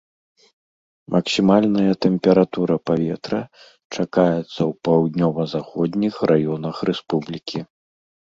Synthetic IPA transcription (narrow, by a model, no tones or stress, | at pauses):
mʔɐksʲimalʲnɐjɐt̪ɛmpʲɛɾat̪uɾɐpavʲɛt̪ɾɐ | t͡ʂakajɛt̪sːɐwpawd̪ʲnʲɔvɐzaxɔd̪ʲnʲixrʔajɔnɐxrɛspublʲikʲʰi